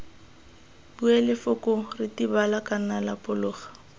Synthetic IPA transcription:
buɛlɪfʊkʊrɪtibalakʼanalapʼʊlʊːχḁ

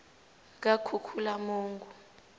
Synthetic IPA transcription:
k̬akʰukʰulamuːŋɡʱu

